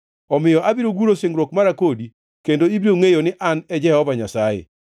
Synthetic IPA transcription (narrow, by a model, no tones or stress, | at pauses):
ɔmɪjɔʔabiɾoɡuɾosɪŋɾwokmaɾakodi | kendoibɾioŋejonɪʔanɛd͡ʒɛhɔvaɲasajḛ